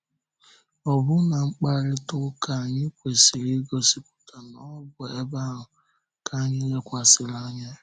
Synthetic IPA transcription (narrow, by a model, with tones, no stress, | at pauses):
ɔ˨bʊ˦na˨ŋ͡m̩˦k͡pa˦ɾɪ˦tʊ˦ka˨ɲɪ˦kʷe˨si˨ɾi˦ɡo˦si˦pʊ̥˦ta˨nɔ˦bʊ˨e˦ba˦ɦʊ˨ | ka˦ɲɪ˦le˦kʷa˨sɪ˨la˦ɲa˦